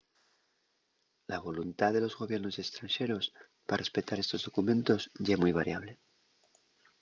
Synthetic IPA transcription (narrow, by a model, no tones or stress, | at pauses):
laβo̞lunt̪aðe̞lo̞zɣo̞βje̞ɾno̞sekst̪ɾanʃe̞ɾo̞s | pare̞spe̞t̪aɾe̞st̪o̞zðo̞kumẽ̞nt̪o̞zʝaemujβ̞aɾjaβ̞le̞